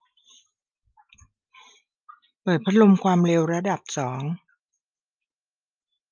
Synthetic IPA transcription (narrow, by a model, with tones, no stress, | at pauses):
pɤː˨˩t̪̚pʰɾa˧˥lo˧mkʰwaː˧mɾeː˧wɾa˧da˨˩p̚sɔː˩˦ŋ